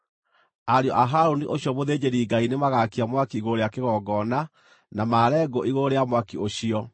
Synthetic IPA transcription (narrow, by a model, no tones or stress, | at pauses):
aɾeɔʔaɦaɾoniʔoɕjɔmoðeːd͡ʑeɾiːɡainemaɣakiamwakiiɣoɾeakeɣɔɡɔna | namaɾɛɡoʔiɣoɾeamwakioɕiɔ